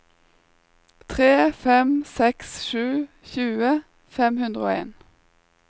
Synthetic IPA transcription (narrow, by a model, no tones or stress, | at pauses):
t̪ʰʁeːfɛmsɛksʃʉː | çʉːə | fɛmhʉnd̪ʁəoːḛːn